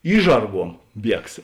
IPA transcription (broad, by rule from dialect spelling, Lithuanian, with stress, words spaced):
ˈiːʒʒɐrˌɡuɔm ˈbʲiɛks